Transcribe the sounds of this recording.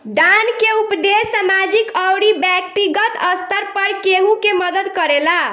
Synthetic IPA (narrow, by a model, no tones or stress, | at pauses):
ɖankeupd̪esamad͡ʒikəwɽibjɛk̚t̪iɡət̪əst̪əɾpəɾkeɦukeməd̪əd̪kəɾela